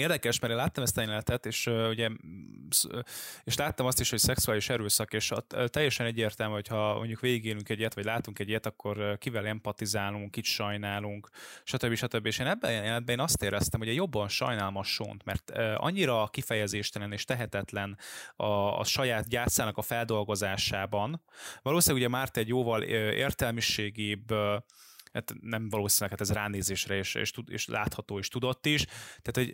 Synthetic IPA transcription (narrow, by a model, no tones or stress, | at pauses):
eːrd̪ɛkɛʃmɛɾeːnlaːt̪ːɒmɛst̪ɒenɛt̪ɛt̪eːʃøuɟɛseːʃlaːt̪ːɒmɒst̪iʃho̞csɛksuaːliʃɛɾøːsɒkeːʃt̪ɛjːɛʃɛnɛɟːeːrt̪ɛlmyhocʰhɒmoɲɟukʋeːɡiɡeːlyŋkɛɟijɛt̪ʋɒɟʲlaːt̪uŋkɛɟijɛt̪ɒkːo̞rkivɛlɛmpɒt̪izaːluŋkːit͡ʃʃɒjnaːluŋkʃɒt̪øbːiʃɒt̪øbːieːʃeːnɛbːɛjɛjɛlnɛd̪̚bɛeːnɒst̪eːɾɛst̪ɛmhoɟɛjo̞bːɒnʃɒ̰jnaːlmɒʃo̰nt̪mɛ̰rt̪ːɒ̰ɲːiɾɒkifɛjɛzeːʃt̪ɛlɛneːʃt̪ɛɦɛt̪ɛt̪lɛnɒ̰ːʃɒjaːt̪̚ɟaːt̪saːnɒkɒfɛld̪o̞lɡo̞zaːʃaːbɒnvɒloːsinlɛɡuɟɛmart̪ɛɟjoːvɒløḛːrt̪ɛlmiʃeːɡiːb | hat̪nɛɱvɒloːsinlɛkhaːt̪ɛzraːneːzeːʃrɛeːʃḛːʃt̪uḛːʃlʔa̰ːt̪hɒt̪oːiʃt̪ud̪o̞t̪ːiʃt̪aːt̪ho̞ɟ